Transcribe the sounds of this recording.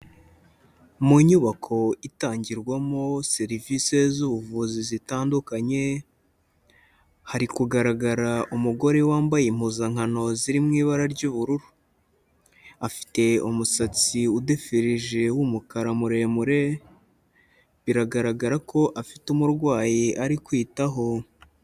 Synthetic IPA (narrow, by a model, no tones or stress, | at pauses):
muɲuβakʰo̞itaːɲɟiɾɡwamose̞ɾivise̞zuβuvuzizitaːndukaɲe̞ | haɾikuɡaɾaɡaɾaʔumuɡo̞ɾe̞waːmbajim̥huzaŋ̥hano̞ziɾimŋiːβaɾaɾɟuːβuɾuɾu | afi̥te̞umusat͡siudefiɾiʒe̞wumukaɾamuɾe̞muɾe̞ | βiɾaɡaɾaɡaɾako̞ʔafitumuɾɡwaːjiʔaɾikwiːtaɦo̞